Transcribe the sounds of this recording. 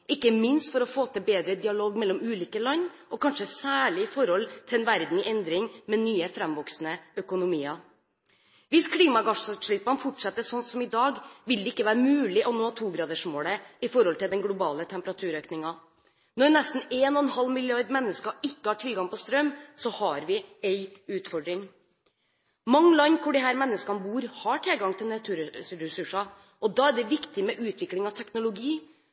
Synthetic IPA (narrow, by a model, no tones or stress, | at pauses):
ɪkːəmɪnst̪fɔɾɔfoːt̪ʰəbeːd̪ɾəd̪ɪɑloːɡmɛlːɔmʉːliːkəlɑn | ɔkʰɑnʂəsæːɭɪɪfɔɾhɔlt̪ʰɪɛnʋæɾd̪nɛnd̪ɾɪŋmɛnyːəfɾɛmʋɔksnəœkʊnʊmiːɑ | ʋɪskʰliːmɑɡɑʂʉt̪ʂɭɪpːɑnfɔʈʂɛt̪ːəʂɔnsɔmɪd̪ɑːɡʋɪld̪ɛɪkːəʋæːɾəmʉːlɪʔɔnoːhɑːt̪ʰuːɡɾɑːd̪əʂmoːɽəɪfɔɾhɔlt̪ɪld̪ɛnɡlʊbɑːlət̪ʰɛmpəɾɑt̪ʰʉːɾøːknɪŋɑ | nɔɾnɛst̪n̩eːnɔɛnhɑlːmɪlɪɑɾd̪mɛnːəskɑɪkːəhɑʈʰɪlɡɑŋpʰɔst̪ɾœmsɔhɑɾʋɪɛɪʉːt̪fɔɖɾɪŋ | mɑŋːəlɑɲːkʰʊɖɪɦæːɾmɛnːəskɑnəbuːɾhɑʈʰɛlɡɑŋt̪ʰɪlnɛt̪ʰʉːɾɾɛsʉʂɑ | ʔɔd̪ɑːæɖɛʋɪkt̪ɪmɛʔʉːt̪ʰʋɪklɪŋɑʋt̪ʰɛknʊlʊɡiː